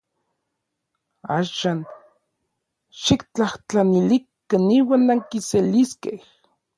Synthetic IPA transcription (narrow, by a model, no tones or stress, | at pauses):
aːʃaːn | ʃikt͡ɬaht͡ɬanilik | aniːwaːnːaŋkiseliskeh